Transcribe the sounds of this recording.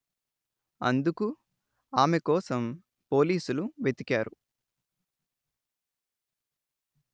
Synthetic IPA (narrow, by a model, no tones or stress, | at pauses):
ɐ̰nd̪uku | aːmekɔːsɐm | po̞ːliːsuluʋet̪ikaːɾu